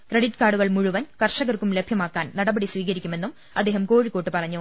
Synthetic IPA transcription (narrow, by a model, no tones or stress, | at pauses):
kreɽiʈːkaːɖuɣɐɭmuɻuʋɐnkɐrʂɐɣɐrkumlebʱjɐmaːkːaːnnɐɽɐbɐɽisʋiːɣɐɾikʲːume̞nːum | ɐd̪ːe̞ːɦɐmko̞ːɻikːo̞ːʈːɨpɐrɐɲːu